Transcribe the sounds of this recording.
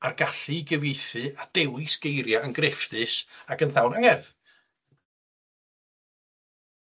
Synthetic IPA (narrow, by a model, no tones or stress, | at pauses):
arɡ̥aɬɨɡəvejθɨad̥ɛwɪsɡ̥ejɾjaənɡrɪfðɨsakənθawnaŋɛrð